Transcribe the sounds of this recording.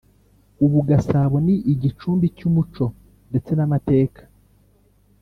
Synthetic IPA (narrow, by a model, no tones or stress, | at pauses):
uβuɡasaβo̞niʔiɟit͡ʃuːmbicumut͡ʃo̞ | nde̞t͡se̞namate̞ːkʰḁ